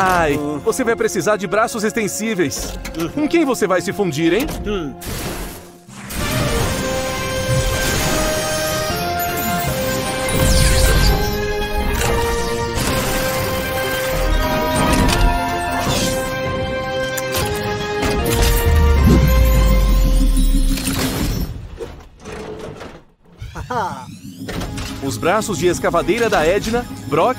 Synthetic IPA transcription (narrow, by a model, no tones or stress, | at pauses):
ajvosevajpɾesizaɾd͡ʒɪbɾasʊzest̪ẽsivejskõkẽj̃vosevajsɪfũd͡ʒiɾẽj̃ | ʊzbɾasʊzd͡ʒɪeskavad̪ejɾɐd̪ɐɛd͡ʒinɐbɾɔ